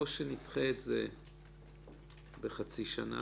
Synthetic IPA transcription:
oʃenitχeːtze | beχat͡siʃana̰

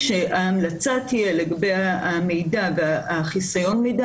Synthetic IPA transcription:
ʃeaːmlat͡satʰijeleɡabejame̞jdaveaχisajo̞nmejda

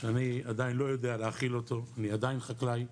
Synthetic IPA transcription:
aniad̪ajinlo̞jo̞d̪ealeaχilo̞t̪o̞aniad̪ajinχaklaj

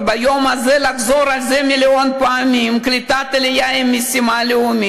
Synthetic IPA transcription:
bajo̞mazelaχzoɾalzemilonpaamimklit̪at̪elejaimːisimaleumi

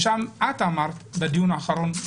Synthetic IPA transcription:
ʃamʔat̪amaɾt̪bed̪ijunaːχaɾon

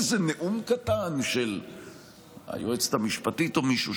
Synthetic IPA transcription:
zeneʔumkat̪anʃel | a̰joet͡st̪amiʃpat̪it̪omiʃu

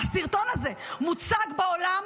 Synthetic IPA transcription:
asiʁt̪o̞naze̞mut͡saɡbaolam

